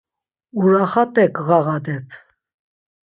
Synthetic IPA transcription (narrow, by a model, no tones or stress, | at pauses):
uɾɑχɑt̪ʼɛkʰɣɑʁɑd̪ɛpʰ